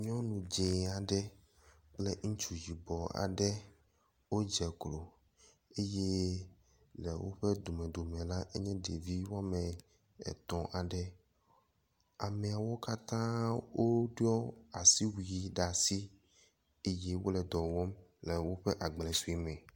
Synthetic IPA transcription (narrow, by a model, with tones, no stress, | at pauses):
ɲ˦ɔ̃˦nũ˨d͡ʒe˨a˨ɖɛ˦ | k͡plɛ˦ŋ̩˦t͡ʃu˨d͡ʒi˨bɔ˨a̰˨ɖɛ˦ | wo˦d͡ʒɛ˨klo˨ | e˦je˦ | lɛ̰˨wo̰˦ɸɛ˦d̪o˨mɛ̃˨d̪o˨mɛ̃˨la˦ʔe˦ɲɛ̃˦ɖe˨vi˦wa˦mɛ̃˨ | ɛ̰˨t̪ɔ̃˨ʔa˨ɖɛ˦ | a˨mɛ˨a˨wo˦ka˦t̪ã˦wo˦ɖɔ˦a˨si˦wi˨i˨ɖa˨si˦ | e˦je˦wo˦lɛ˨d̪ɔ˨wɔ˦mlɛ˨wo˦ɸɛ˦ʔa˨ɡ͡blɛ˨su˦i˦mɛ̃˨